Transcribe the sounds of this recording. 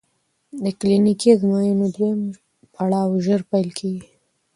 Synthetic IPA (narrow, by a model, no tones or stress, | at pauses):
d̪əklinikid̪əmɑjunod̪wem | pʰaɽɑwʒəɾpajlkʰeɡi